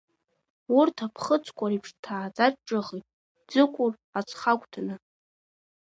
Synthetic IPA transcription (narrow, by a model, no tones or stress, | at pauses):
urtʰapʰχət͡sʷʰʼkʷʼaɾipʰʂtʰaːd͡zʼaʈ͡ʂːʼɨʁitʼ | d͡zɨkʷʼʊr | at͡sʰχakʷʼtʰanɨ